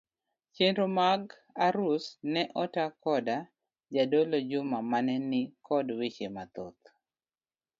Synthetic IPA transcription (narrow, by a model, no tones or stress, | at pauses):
t͡ʃenɾomaɡ | aɾusnɛʔɔtakɔda | d͡ʒadolod͡ʒʊmamanɛnɪkʰɔdwit͡ʃemat̪ot̪̚